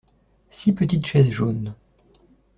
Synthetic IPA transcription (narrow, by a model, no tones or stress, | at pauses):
sipət̪it̪ʃɛzʒon